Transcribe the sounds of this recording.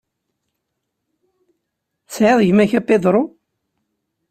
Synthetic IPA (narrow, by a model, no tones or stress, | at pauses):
sʕeðˤʝmæçæpːeðɾˤʊ